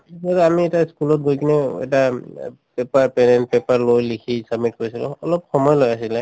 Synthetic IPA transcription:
satamiɛtaskulɔtɡojkʰinɛɛ̰ta | pɛpaɹpɛnɛnt̚pɛpaɹlojlikʰisab̚mit̚koɹisilʊ̰ɔlɔpxɔmɔjlojasilɛ

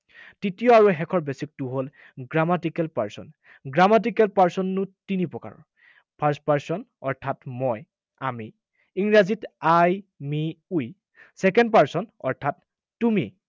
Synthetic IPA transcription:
titijɔaɹuɦɛkʰɔɹbesik̚tuɦol | ɡɹamatikɛlpa̰ɹsɔ̰n | ɡɹamat̬ikɛlpaɹsɔnːʊtinipɹɔka̰ɹɔ̰ | pʰaɹstpaɹsɔnɔɹtʰatmɔj | a̰mi | iŋɹazitajmiuj | sɛkɛndpaɹsɔnɔ̰ɹtʰatː | umi

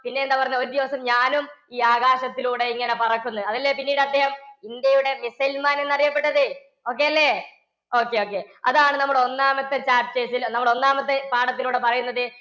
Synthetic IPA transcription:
pinːe̞end̪apɐrɐɲːoɾud̪iʋɐsɐmɲaːnum | iːaːɣaːɕɐt̪ːiluːɽe̞iŋːɐne̞pɐrɐkːunːuɐðɐlːepinːiːɽɨɐd̪ʱːehɐmind̪jɐjuɽe̞misɐjlmaːnenːɐrijɐpːe̞ʈːɐðɨ | o̞ːk̬ːe̞ɐlːe̞ | o̞ːkːe̞o̞ːkːe̞ɐ̰ðaːɳɨnɐmːuɽeo̞nːaːmɐt̪ːe̞t͡ɕaːpt͡ɕeːsilnɐmːuɽeo̞nːaːmɐt̪ːe̞paːɽɐt̪ːiluːɽe̞pɐrɐjunːɐðɨ

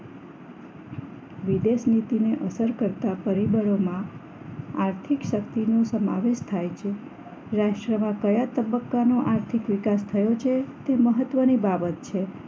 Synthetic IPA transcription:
ʋid̪eʃnit̪ineʔəsəɾkəɾt̪apəɾibəɾomã | aɾt̪ʰikʃəkt̪inosəma̰ʋeʃt̪ʰajt͡ʃʰe | ɾaʃʈɾəmãkəjat̪əbəkːanoʔaɾt̪ʰikʋikast̪ʰəjot͡ʃʰet̪eməɦət̪ʋənibabət̪t͡ʃʰe

